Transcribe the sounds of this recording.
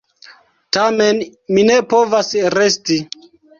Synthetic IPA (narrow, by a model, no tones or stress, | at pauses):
tamenmine̞po̞vasɾe̞sti